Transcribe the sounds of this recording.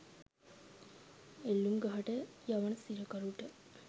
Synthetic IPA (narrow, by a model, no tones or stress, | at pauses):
elːumɡaɦɐʈəjɐʋɐnəsiɾəkɐɾuʈə